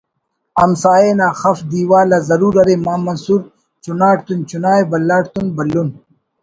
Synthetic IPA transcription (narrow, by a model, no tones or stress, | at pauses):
ɐmsaːenaːxɐfd̪iːwaːlazɐɾuːɾɐɾemaːmɐnsuɾ | t͡ʃunaːɽt̪unt͡ɕunaːjbɐlːaːɽt̪unbɐlːun